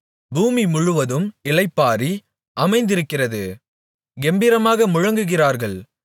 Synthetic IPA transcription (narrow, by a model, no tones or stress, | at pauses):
buːmimʊɻʊʋɐðɯmɪlɐɪpːaːɾi | ʔɐmɐɪnd̪ɪɾɯkːɪrɐðɯ | ɡɛmbɪɾɐmaːɣɐmʊɻɐŋɡɯɣɪraːɾɣɐɭ